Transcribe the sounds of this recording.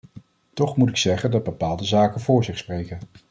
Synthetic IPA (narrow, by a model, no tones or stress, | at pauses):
tɔχmutɪksɛχəndɑd̚bəpaːlˠdəzaːkənvʊːɹzɪχsprejkən